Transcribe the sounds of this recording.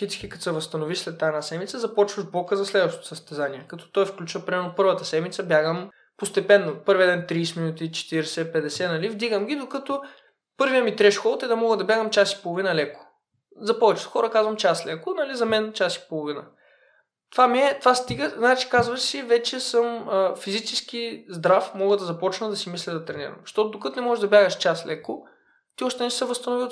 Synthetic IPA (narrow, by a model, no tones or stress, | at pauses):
kʲit̪si̥kʲikɐt̪sɛvɐst̪ɐnoviʃslɛt̪ːaɛnasɛmit̪səzɐpɔt͡ʃvəʒbɔkəzɐslɛd̪vəʃt̪o̥t̪ʊ̥səst̪ɛzaniɛkɐt̪ɔ̥t̪ɔjfklʲut͡ʃvəpɾimɛɾnopɤɾvət̪əsɛmit̪səbjaɡəm | post̪ɛpɛnːopɤɾviəd̪ɛnt̪ɾiːsminut̪it͡ʃɛ̥t̪iɾɛsɛpɛd̪ɛsɛnɐlivd̪iɡəmɡʲid̪okət̪o | pɤɾvijəmit̪ɾɛʃkɔlˠt̪ɛd̪ɐmɔɡəd̪ɐbʲjaɡəmt͡ʃasi̥polˠovinɐlɛko̥ | zɐpɔvɛt͡ʃɛt̪xɔɾəkazvɐmt͡ʃaslɛkʊnɐlizɐmɛnt͡ʃasi̥polˠovinɐ | t̪vamiɛt̪vast̪iɡəznaɛt͡ʃi̥kazvɐsivɛt͡ʃɛsɤməfizit͡ʃɛsk̟izd̪ɾafmɔɡəd̪ɐzɐpɔt͡ʃnəd̪ɐsimislʲɛd̪ɐt̪ɾɛnḭɾɐ̰mʃt̪ɔt̪ʊd̪okət̪ʊnɛmɔʒɛʒd̪ɐbʲjaɡəʃt͡ʃaslɛkʊ | t̪iɔʃt̪ɛnɛsəvɐst̪ɐnovi